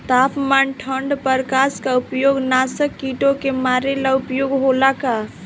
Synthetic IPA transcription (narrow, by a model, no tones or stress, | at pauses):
t̪aːpmanʈʰəɳɖpəɾkaskaupjoːɡnasəkːiʈokemaɾelaupjoɡɦolaka